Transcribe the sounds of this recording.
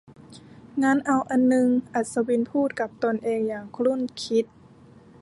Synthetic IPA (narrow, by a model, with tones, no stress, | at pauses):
ŋaː˧˥˨nʔa˧˩wʔa˧˨nːɯ˧ŋʔa˨˩t̪̚sa˧bi˧˨npʰuː˥˩t̪̚ka˧˦p̚t̪o˧˨nʔeː˧ŋjaː˨˩ŋkʰlu˧˥˨nkʰi˧˦˥t̪̚